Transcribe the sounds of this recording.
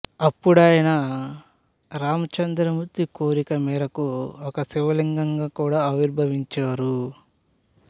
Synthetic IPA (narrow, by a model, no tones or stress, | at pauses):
ɐpːuɽaːjɐnɐ | ɾaːmɐt͡ʃɐnd̪ɾɐmuɾt̪ːikoːɾikɐmiːɾɐkuɔkɐsiʋɐliŋɡɐŋɡaːkuːɽaːɐʋiɾbʱɐʋiɲt͡ʃaːɾu